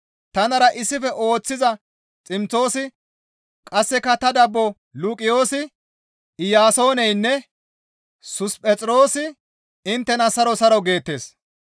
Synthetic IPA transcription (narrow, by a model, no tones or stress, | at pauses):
t̪ɐnɐɾɐʔɪsːɪfɛʔo̞ːt͡sːɪzɐ | t͡sʼɪmt͡so̞ːsɪ | kʼɐsːɛkɐt̪ɐd̪ɐbːo | luːkʼɪjo̞ːsɪ | ɪjaːso̞ːnɛjnːɛ | sʊspʼɛt͡sʼɾo̞ːsɪ | ɪnt̪ːɛnɐsɐɾɔsɐɾɐwɡe̞ːt̪ːe̞ːs